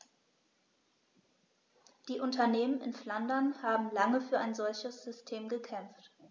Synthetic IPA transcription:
d̥iːʔʊntɐneːmənɪ̰nflandɐnhaːbm̩laŋəfyːɐaɪnzɔlçəsz̥ʏstʰeːmɡəkʰɛmft

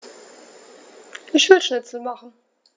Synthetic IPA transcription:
ʔɪçv̥ɪʃnɛt͡səmaχn̩

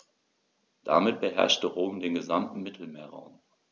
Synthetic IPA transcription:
d̥a̰mɪt̚b̥əɦɛ̰ɐʃtəʁoːmdeːnɡəzamtn̩mɪtʰl̩meːɐʁa̰ʊm

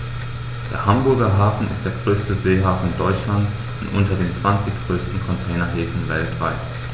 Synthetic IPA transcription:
d̥ḛːɐɦambʊɐɡɐɦaːfn̩ɪ̰st̚d̥eːɐɡʁøːstəzeːɦaːfn̩dɔʏt͡ʃlant͡s | ʊntʔʊ̰ntɐdeːnt͡sv̥ant͡sɪçɡ̥ʁøːstn̩kʰɔntʰɛːnɐɦeːfn̩vɛltv̥aɪt

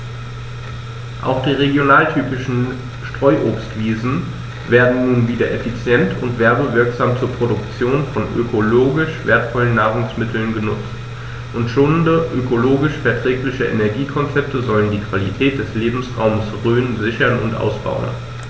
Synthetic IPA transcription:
ʔa̰ʊxd̥iːʁeɡjonaːltʰyːpɪʃn̩ | ʃtʁ̥ɔʏʔoːpstv̥iːzn̩ | veːɐdn̩nuːnviːdɐʔefit͡sjɛntʰʊntv̥ɛɐbəvɪɐkz̥aːmt͡suːɐpʁ̥odʊkt͡sjoːnfɔnʔø̰kʰoloːɡɪʃv̥eːɐtfɔlənːaːʁʊŋsmɪtʰl̩nɡənʊt͡st | ʔʊntʃoːnndəʔøkʰoloːɡɪʃfɛɐtʁ̥ɛːklɪçəʔḛnɛɐɡiːkʰɔnt͡sɛp̚təzɔləndiːkv̥alitʰɛːt̚d̥ɛsleːbm̩sʁa̰ʊməsʁyːənzɪçɐnʊ̰ntʔa̰ʊsb̥a̰ʊə̰n

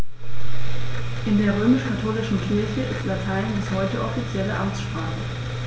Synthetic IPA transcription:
ʔɪndeːɐʁ̞øːmɪʃkʰatʰoːlɪʃn̩kʰɪɐçəʔɪstlatʰaɪnbɪshɔʏtəʔɔfit͡sjɛləʔamt͡sʃpʁ̥aːχə

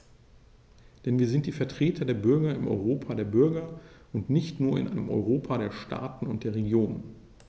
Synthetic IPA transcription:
d̥ɛnviːɐzɪnt̚d̥iːfɛɐtʁ̥eːtʰɐdeːɐbʏɐɡɐɪmʔɔ̰ʏʁoːpʰadeːɐbʏɐɡɐʔʊntnɪçtnuːɐɪ̰nʔa̰ɪnəmʔɔ̰ʏʁoːpʰaɾeːɐʃta̰ːtn̩ʊnt̚d̥eːɐʁeɡjoːnən

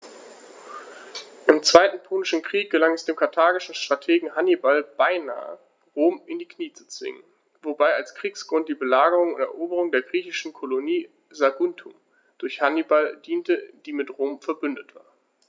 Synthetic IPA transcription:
ʔɪmt͡sv̥aɪtn̩pʰoːnɪʃn̩kʁ̥iːk̚ɡ̥əlaŋɛsd̥eːmkʰaɐtʰaːɡɪʃn̩ʃtʁ̥atʰeːɡŋ̩ɦanibalb̥aɪna̰ːə̰ | ʁoːmɪndiːkniːt͡su̥t͡sv̥ɪ̰ŋə̰n | vobaɪalskʁ̥iːksɡ̥ʁʊnt̚d̥iːbəlaːɡəʁʊŋʊntɛ̰ɐʔoːbəʁ̞ʊŋdeːɐɡʁiːçɪʃn̩kʰoloniː | zaɡʊntʰum | d̥ʊɐçhanibaldiːntəd̥iːmɪtʁoːmfɛɐbʏndətv̥a̰ːɐ

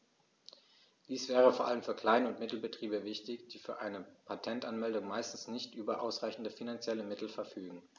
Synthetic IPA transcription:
d̥iːsv̥ɛːʁ̞əfoːɐʔaləmfyːɐkl̥aɪnəʊntmɪtl̩bətʁ̥iːbəvɪçtɪçd̥iːfyːɐʔaɪnəpʰatʰɛntʔanmɛldʊŋmaɪstn̩snɪçtʔyːbɐʔaʊsʁaɪçn̩dəfinant͡sjɛləmɪtl̩fɛɐfyːɡŋ̩

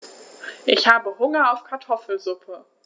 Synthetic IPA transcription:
ʔɪçhaːbəhʊŋɐaʊfkʰaɐtʰɔfl̩zʊpʰə

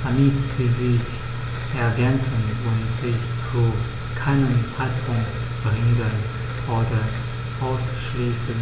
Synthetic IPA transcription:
aniːtz̥iːzɪç | ʔɛɐɡɛnt͡sn̩ʊntz̥ɪçt͡su | kʰaɪnəmt͡saɪtpʰʊŋkt | b̥ʁɪŋɡən | oːdɐ | ʔaʊsʃliːsən

